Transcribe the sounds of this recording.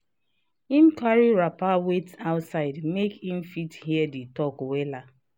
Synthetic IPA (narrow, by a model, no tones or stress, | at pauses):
im̩kaɾiɾapawetaʊtsaɪdmekĩm̩fithiɛditɔkwela